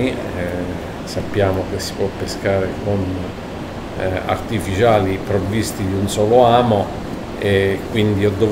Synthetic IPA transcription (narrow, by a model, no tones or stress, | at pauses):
i | sapːjaːmokesːi̥pwɔpːeskaːɾekon | a̰rt̪ifit͡ʃaːlipɾovːist̪id̪iunsɔːloaːmo | ekːwind̪iɔd̪ːo